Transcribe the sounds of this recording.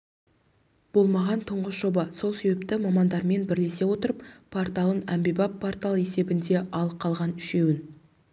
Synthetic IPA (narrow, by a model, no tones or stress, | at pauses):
b̥o̞lˠmɑʁɑnt̪ʰʊɴʁəsʒo̞bɑso̞lˠse̞be̞pt̪ɪmɑmɑnd̪ɑɾme̞nbɪɾle̞se̞wo̞t̪əɾəppʰoɾt̪ɑlˠənæmbebɑpʰːort̪alˠe̞se̞bɪnd̪e̞ʔɑlˠəqʰːɑlˠʁɑnʏʃe̞wɪn